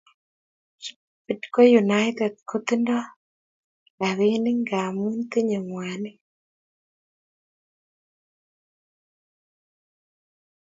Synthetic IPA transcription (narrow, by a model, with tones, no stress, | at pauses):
pidko˦junajt̪e˨d̚kʰot̪indɔ˦ | a˨βeni˦ŋɡa˨mu˦nt̪i˦ɲe˨mwaː˨ni˦